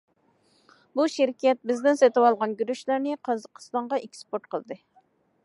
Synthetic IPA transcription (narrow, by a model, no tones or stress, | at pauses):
buʃiɾkʲɛt̪̚bɪzd̪ɪnset̪ɨwɑlˠʁɑnɡʲyɾyʃlæɾnɪqʰɑzəqʰə̥st̪ɑɴʁɑʔekʲʰːi̥spoɾt̪̚qʰəlˠd̪ɨ